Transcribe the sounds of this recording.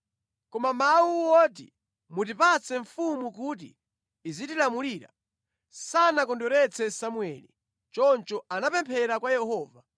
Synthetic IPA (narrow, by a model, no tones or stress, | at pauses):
kɔmamawuwɔt̬ḭ | mutipat͡sʰɛɱfumukut̬ḭː | zitilamuliːɾa̰ | sanakɔndɔɾɛt͡sʰɛsamuɛ̰lḭ | t͡ʃɔnt͡ʃɔanapɛmpʰɛɾakwajɛhɔːva